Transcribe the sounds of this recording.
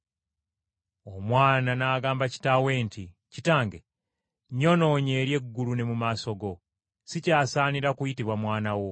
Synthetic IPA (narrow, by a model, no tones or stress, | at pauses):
o̞mwaːnanaːɡaːmbaci̥tawe̞ːnti | citaːŋɡe | ɲo̞no̞ːɲe̞ːɾje̞ɡːulune̞mumaso̞ɡo̞ | sicaːsaːniɾakujitiβwamwaːnawo̞